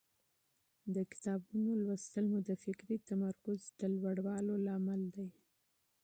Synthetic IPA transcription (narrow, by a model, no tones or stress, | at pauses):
d̪əkɪ̥t̪ɑbunolwəst̪əlmud̪əfɪkɾit̪amaɾkʊzd̪̥əlwaɽwɑlolɑmald̪aj